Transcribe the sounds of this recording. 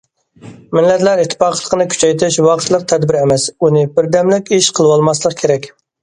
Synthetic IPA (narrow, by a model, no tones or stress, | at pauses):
mɪlːɛt̪læɾit̪ʰːɪ̥pɑqlˠːəqənɨkʲʰy̥t͡ʃʰɛjt̪ʰɪʃwɑqʰət̪lˠəq̚t̪ʰɛd̪bɪɾɛmɛsunɪbɪɾd̪ɛmlɪkʲiʃqʰəlˠɨwɑlˠmɑslˠəq̚kʲʰeɾɛkʲ